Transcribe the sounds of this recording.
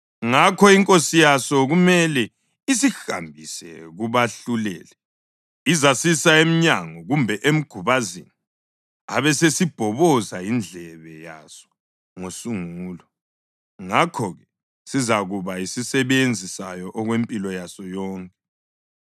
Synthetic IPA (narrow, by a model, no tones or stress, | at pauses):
ŋakʰɔiŋkʼosijasɔɣumɛlɛ | isixa̰mbʱisɛ̰ɣuβaɬulɛ̰ːlɛ | izasisaem̩ɲaŋɔɣumbʱɛʔem̩ɡ̥ʱuβazini | a̰βɛsesib̥ʱɔβɔzaind͡ɮʱɛβɛja̰sɔ̥ | ŋosuŋuːlɔ | ŋakʰɔɣɛ | sizaɣuβaisisɛβend͡zʱisajɔʔɔɣwempʼilɔjasɔjɔːŋkʼɛ